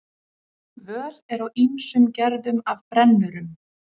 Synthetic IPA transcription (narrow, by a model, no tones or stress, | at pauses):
vœːlɛɾawinsʏmcɛɾðʏmavpɾɛnːʏɾʏm